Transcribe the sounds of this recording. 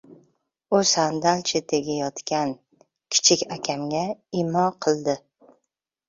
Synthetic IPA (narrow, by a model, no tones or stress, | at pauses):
ʊsand̪alt͡ʃʰɪd̪ʰeɡʲajɒt̪kʲan | kʲʰɪ̥t͡ʃʰɪkʲakʲʰamɡʲaɪmɒqʰɨlˠd̪ɪ